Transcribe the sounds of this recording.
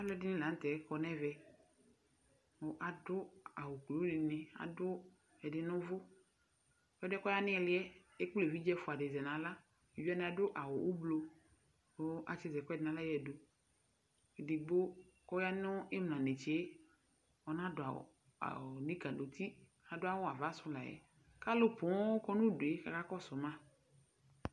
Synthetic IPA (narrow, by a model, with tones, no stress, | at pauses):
a˦lɛ˦dɪ˦nɪ̃˦la˨n̩˦t̪ɛ˨˦kɔ˨nɛ˦vɛ˨ | o˦ʔa˨dʊ˦a˨wʊ˨klo˨˦dɪ˨nɪ˨a̰˨dʊ˦ | ɛ˨dɪ˨nʊ̃˦vʊ˦ | ɛ˦dɛ˦kɔ˦ja˦nɪ̃˦ɛ˨lɪ˦ɛ˦ | e˦k͡ple˨vi˦d͡ʒɛ˦fʊ˨a˨dɪ˨zɛ˨nã˨la˦˨ | vi˦a˦nɪ̃˦a˨dʊ˦ʔa˨wʊ˨ʔu˦blo˨ | o˦ʔa˨t͡ʃɪ˨zɛ˨kɔ˦˨ɪ˨nã˨la˦jɛ˨do˨ | dɪ˨ɡ͡bo˦kɔ˦a˦nʊ˦ɪ˦mlã˨ne˨t͡ʃe˦ | ɔ˨nã˦dʊ˨a̰˨ | a̰˨nĩ˦ka˨no˨t̪ʰi˦ | a˨dʊ˦a˦wʊ˦a˨va˦sʊ˦la̰˨jɛ̰˨ | ka˦lʊ˦pʊ˨˦kɔ˦nʊ̃˦dʊ˨e˦ka̰˨ka˦kɔ˦sʊ˨mã˦